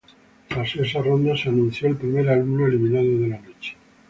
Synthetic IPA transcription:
tases̬aro̞nd̪aseanũn̟θjoelpɾime̞ɾalumnoelimĩnaðoð̞e̞lanot͡ʃe̥

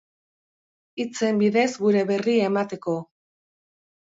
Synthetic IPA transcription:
it͡se̞mbiðe̞zɡuɾe̞βe̞riaemat̪e̞ko̞

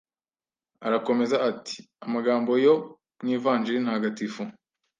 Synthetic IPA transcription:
aɾako̞me̞zaati̥ | amaɡaːmbo̞jo̞ | mŋiːvaːnd͡ʒiɾinahaɡatifo

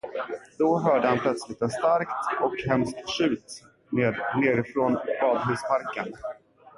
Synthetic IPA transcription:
d̪̥ɔɦœːɖəhanpʰlœt̪slɪt̪ɛnst̪aɾkt̪ɔkɦɛmskt̪ɕʉ̟ːt̪ | neːɾɪfɾonbɑːd̪ɦʉ̟ːspʰaɾkən

